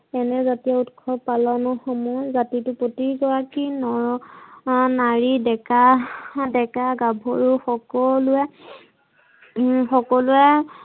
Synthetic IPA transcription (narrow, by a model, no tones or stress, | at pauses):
ɛnɛzatijautkʰɔpalɔnʊxɔmɔjzatitʊpotiɹkɔɹakinɔ | naɹidɛkadɛkaɡabʱɔɹuxɔkɔlʊɛ | xɔkɔlʊɛ